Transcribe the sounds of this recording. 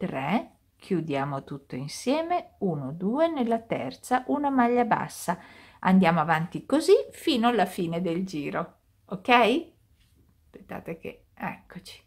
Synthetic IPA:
t̪ɾɛ | kʰjud̪jaːmot̪ut̪ːoinsjɛːmeuːnod̪uːenelːat̪ɛ̰rt̪saʔunamaʎːaba̰sːa | ʔa̰nd̪jaːmoavant̪ikozifiːnoalːafiːned̪eld͡ʒiːɾo | okɛj | pet̪ːa̰ːt̪ekḛ | ɛ̰kʰːot͡ʃi̥

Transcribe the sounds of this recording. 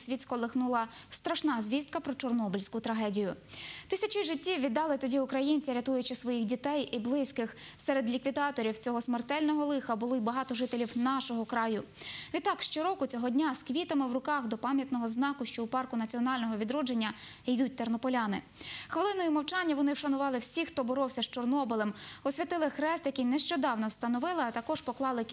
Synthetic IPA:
sʲʋʲit̪ʲsʲkɔlˠɪxnulˠɐst̪ɾɐʃnɑzʲʋʲist̪̚kɐpɾɔt͡ʃɔrnɔbʊlʲsʲkʊt̪ɾɐɦɛdʲijʊt̪ɪsʲɐt͡ʃiʒɪtʲːiʋʲid̪ːɑlˠɪt̪ɔdʲiʊkɾɐjinʲt͡sʲiɾʲɐt̪ujʊt͡ʃɪsʋɔjixdʲit̪ɛjʔiblˠɪsʲkɪxsɛɾed̪lʲikʋʲid̪ɑt̪ɔɾʲiwt͡sʲɔɦɔsmert̪ɛlʲnɔɦɔlˠɪxɐbʊlˠɔibɐɦɑt̪ɔʒɪt̪elʲiwnɑʃɔɦɔkɾɑjʊʋʲid̪t̪ːɑkʃt͡ʃɔɾɔkʊt͡sʲɔɦɔdʲnʲaskʋʲit̪ɐmɪwrʊkɑxd̪ɔpɑmʲjɐt̪nɔɦɔznɑkʊʃt͡ʃɔupɑrkʊnɐt͡sʲiɔnɑlʲnɔɦɔʋʲid̪ɾɔd͡ʒe̞nʲːɐijd̪ut̚ʲt̪ernɔpɔlʲɑnɪ̰xʋelˠɪnɔjʊmɐwt͡ʃɑnʲːɐʋɔnɪwʃɐnʊʋɑlˠɪwsʲixt̪ɔbɔɾɔwsʲɐʃt͡ʃɔrnɔbɪlˠemɔsʲʋʲit̪ɪlˠɪxɾɛst̪jɐkijnɛʃt͡ʃɔd̪ɑwnɔwst̪ɐnɔʋɪlˠɪɐt̪ɐkɔʒpɔklˠɑlˠɪ

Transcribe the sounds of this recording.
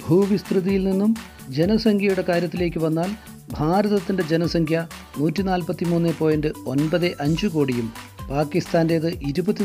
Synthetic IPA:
bʱuːʋist̪rɨðijilninːum | d͡ʑe̞nɐsɐŋkʰjɐjuɽe̞kaːɾjɐt̪̬ːile̞ːk̬ʲːɨʋɐnːaːl | bʱaːɾɐðɐt̪ːinde̞d͡ʑenɐsɐŋkʰjɐ | nuːtːinaːlpɐt̪ːimuːnːepːo̞ːjendɨo̞nbɐðɨʔɐɲd͡ʑɨkoːɽijumpaːkːist̪aːnde̞jɐðɨʔiɾubɐt̪ːi

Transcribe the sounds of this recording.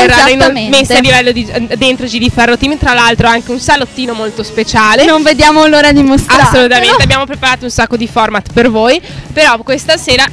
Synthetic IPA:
erːaːɾnomesːealːivɛlːod̪id̪ent̪ɾot͡ʃid̪ifɛrːot̪iːmt̪ɾalalt̪ɾoaŋk̟eunsalot̪ːiːnomolt̪ospet͡ʃaːlenoɱved̪jaːmounoːɾad̪imosasːolut̪amennt̪eabːjaːmopɾepaɾaːt̪ounsakːod̪ifɔrmat̪pervoːjpeɾɔkwest̪aseːɾa

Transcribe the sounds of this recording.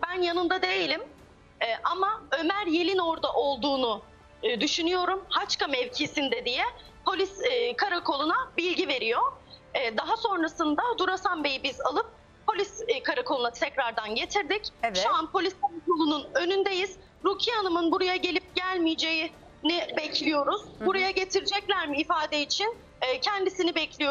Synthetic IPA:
bænjanɯnd̪ad̪ejilʲim | ɛʔamaø̞mæɾje̞lʲino̞ɾd̪aʔo̞lˠd̪uːnu | d̪yʃynyjo̞ɾumhat͡ʃkamɛvcʰisind̪ɛd̪ijɛ | pʰo̞lʲiskʰaɾakʰo̞lˠunabilʲɟive̞ɾijo̞ːd̪aɦaso̞nɾasɯnd̪ad̪uɾasanbe̞jibizalˠɯp̚ | pʰːo̞lʲiskʰaɾakʰo̞lˠunat̪ʰɛcɾaɾd̪anɟe̞t̪ʰiɾd̪icʃuanpʰo̞lʲiskʰaɾakolˠununø̞nynd̪ejiz̥ | ɾucʰianɯmɯnbuɾajaɟe̞lʲip̚ɟ̥ælʲmijd͡ʒe̞ji | nibɛcʰlʲijo̞ɾuz̥buɾajaɟe̞t̪ʰiɾid͡ʒɛclʲæɾmiːfaːd̪eit͡ʃʰinː | cʰɛnd̪isinibɛclʲijo

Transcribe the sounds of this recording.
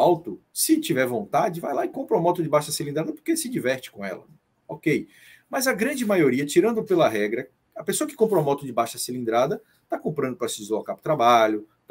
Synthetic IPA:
awt̪ʊsɪt͡ʃivɛɾvõnt̪ad͡ʒɪvajlaɪkõmpɾamɔt̪ʊd͡ʒɪbaʃɐsilĩnd̪ɾad̪ɐpo̥ɾkesɪd͡ʒivɛɾt͡ʃɪ̥kõɛ̰lɐ̰ | okej | mɐzɐɡɾɐ̃d͡ʒɪmajoɾiɐt͡ʃiɾɐ̃nd̪ʊpelɐɦɛɡɾɐ | ɐpesoɐkɪ̥kõp̬ɾoamɔt̪ʊd͡ʒɪbaʃɐsilĩnd̪ɾad̪ɐ | t̪akõmpɾɐ̃nd̪ʊpɾɐsɪɪzoakapʊ̥t̪ɾabaʎʊ

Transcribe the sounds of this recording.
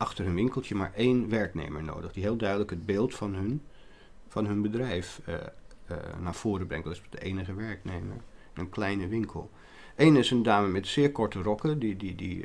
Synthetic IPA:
ɑχtəɹɦɵnʋɪŋkəlˠtəma̰ːɹʔejnʋɛɹknḛjmə̰ɹno̰wdəχdiɦeːlˠdœɥdələkɦəd̚beːlˠtfɑnɦn | fɑnɦɵnbədrɛjf | naːɹv̥ʊːɾəbrɛŋtɑtɪsdəejnəχəʋɛɹknejmə̰ɹ | nənklɛjnəʋɪŋkʰə̰lˠ | ejnɪsəndaːməmɛtsɪːɹkɔɹtərɔkədididḭ

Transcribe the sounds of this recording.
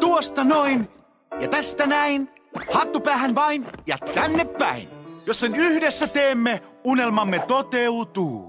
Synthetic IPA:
t̪uost̪ɑnoin | jɑ̰t̪æst̪ænæin | hɑt̪ːupæːhænʋɑinjɑ̰t̪ænːepːæ̰ḭnjosːenyhdesːæt̪eːmːe | unelmɑmːet̪ot̪eut̪uː

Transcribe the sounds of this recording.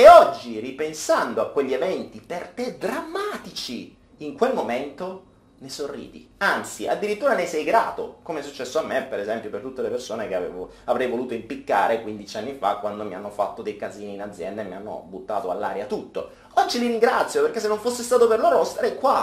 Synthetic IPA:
eɔd͡ʒːiripensand̪oakːweʎːievɛnt̪ipert̪ed̪ɾamːaːt̪it͡ʃi | iŋkwelmoment̪o | nesorːḭːd̪ḭant̪sia̰d̪ːiɾit̪ːuːɾanesɛjɡɾa̰ːt̪o̰komeɛsut͡ʃːɛsːoamːepeɾezɛmpjopert̪ut̪ːelepersoːnekeavɛ̰ːvo | avɾɛjvoluːt̪oimpikːa̰ːɾekwind̪it͡ʃianːifakːwand̪omianːofat̪ːod̪ejkaziːniːnad̪zjɛnd̪aemːianːo̰but̪ːa̰ːt̪oa̰lːa̰ːɾjat̪ut̪ːo̰ | ɔd͡ʒːiliɾiŋɡɾat̪sːjoperkesːenːoɱfosːest̪aːt̪operloɾost̪aɾɛkːwa

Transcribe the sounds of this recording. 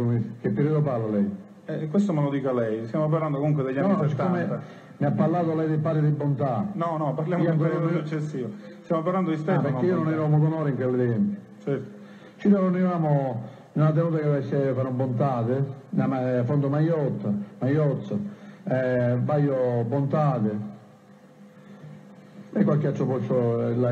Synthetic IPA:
k̟epːeɾiːðopalːalɛj | ɛkwest̪omalod̪iːkalɛjst̪jamop̬arland̪okomuŋk̬wed̪eʎːanse̥t̪ːaomea | miapːalːaːðʊalɛjd̪ɪpaːɾɪðɪbːont̪anɔnɔpːaɾljamiak̪ɔasut͡ʃːesːiːva | st̪jamopaɾland̪oist̪ɛapeɾeiononɛvamokɔnɔːɾiŋkelːɪt̪ɛmpi | t͡ʃɛɾt̪o̥ | t͡ʃinononivaːmo | nunad̪ɛuːt̪akɛvasɛfanɔbont̪aːðɪnamafɔnd̪omajɔt̪ːamajɔt̪sːaɛbajobont̪aːðɪ | ɛkːwalkːiat̪ːɔpɔsola

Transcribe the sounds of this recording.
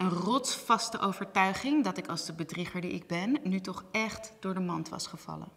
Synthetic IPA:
ənrɔtsfɑstəʔowvəɹtœɥχɪŋdɑtɪkɑlˠzdəbədriχəɹdiʔɪ̰ɡ̚bɛnːytɔχɛχtd̥ʊːɹdəmɑntʋɑ̰sχəv̥ɑ̰lə̰n

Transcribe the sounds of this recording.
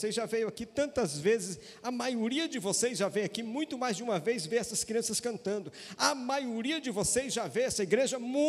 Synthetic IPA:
sezʒavejʊakit̪ɐ̃nt̪ɐzvezɪs | ɐmajoɾiɐd͡ʒɪvosezʒavejʊakimũj̃t̪ʊmajzd͡ʒɪũmɐvejzveɛsɐskɾiɐ̃sɐskɐ̃nt̪ɐ̃nd̪ʊ | ɐmajoɾiɐd͡ʒɪvosezʒaveɛsɐiɡɾeʒɐmũ

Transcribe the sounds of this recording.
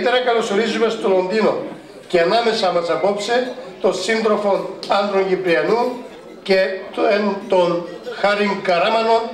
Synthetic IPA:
t̪eɾɐkɐloso̞ɾizume̞st̪olo̞nd̪ino̞ | ceɐnɐme̞sɐmɐsɐpo̞pse̞t̪o̞nsind̪ɾo̞fo̞nɐnd̪ɾoɲʝipɾiɐnu | ceent̪onxɐɾiŋɡɐɾɐmɐno̞n

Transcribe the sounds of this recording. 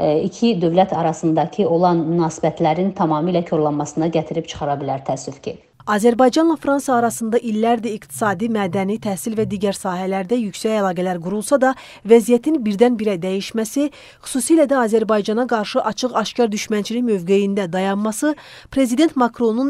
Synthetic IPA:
icʰid̪ø̞vlæt̪ʰɑɾɑsɯnd̪ɑcʰio̞lˠɑnmynɑːsi̥bæt̪ʰlæɾint̪ʰɑmɑːmilæcʰo̞ɾlˠɑnmɑsɯnɑɟæt̪ʰiɾipt͡ʃʰɯ̥χɑɾɑbilæɾt̪ʰæsyfcʰi | ɑːzæɾbɑjd͡ʒɑnlˠɑfɾɑnsɑːɾɑsɯnd̪ɑʔilːæɾd̪æikt̪ʰi̥sɑːd̪imæːd̪ænit̪ʰæhsilvæd̪iːɟæɾsɑːɦælæɾd̪æjycsæcælˠɑːɡælæɾɡuɾulˠsɑd̪ɑ | væzijæt̪ʰinbiɾd̪ænbiɾæd̪æjiʃmæsi | χy̥suːsilæd̪æɑːzæɾbɑjd͡ʒɑnɑɡɑɾʃɯʔɑt͡ʃʰɯɣɑʃcɑɾd̪yʃmænt͡ʃʰiliçmø̞vɡe̞jind̪æd̪ɑjɑnmɑsɯ | pʰɾe̞zid̪e̞nt̪mɑkʰɾo̞nun

